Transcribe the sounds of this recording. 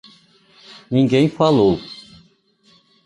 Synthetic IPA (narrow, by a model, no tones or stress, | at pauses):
nĩɡẽj̃falow